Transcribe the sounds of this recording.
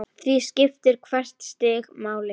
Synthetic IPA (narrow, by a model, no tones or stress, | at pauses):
θviscɪft̪ɪɾ̥kʰvɛr̥t̪st̪ɪːɣmaːwlɪ